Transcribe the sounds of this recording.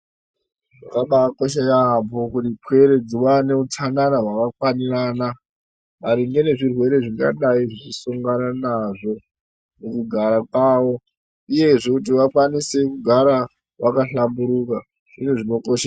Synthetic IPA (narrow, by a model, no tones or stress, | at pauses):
ʐakaɓakoʃ̬ejapokutipwe̞ɾe̞d͡ziwane̞utʰananaɦwakakwanirana | ʋaɾiŋɡe̞ne̞ʐirwe̞ɾe̞ʐiŋɡa̰ɗaiʐit͡ʃisuŋɡananaʐo̞ | mukuɡʱaɾakwaːwo̞ | uje̞ʐekut̬iʋakwanise̞kuɡʱaɾa | wʔakaɬambuɾuka | ʐ̥inuʐino̞koʃa